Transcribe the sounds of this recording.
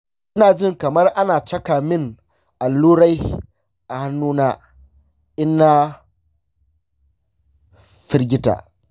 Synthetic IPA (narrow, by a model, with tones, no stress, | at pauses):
ʔɪ˦naː˨d͡ʒɪ˦ŋkɐ˨mɐ˦rʔa˦naː˨t͡ʃɐ˦kaː˨mɪ˦ŋ | ʔa˨lːuː˦ɽa˦j | ʔa˨ha˦nːuː˦naː˦ | ʔɪ˦nːa˦ | ɸɪ˦ɾɡʲɪ˦ta̰ː˨